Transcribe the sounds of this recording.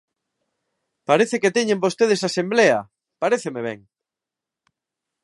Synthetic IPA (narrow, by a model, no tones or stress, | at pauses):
paɾeθeket̪eɲẽmbost̪eð̞esasembleɐ | paɾeθemeβ̞ḛŋ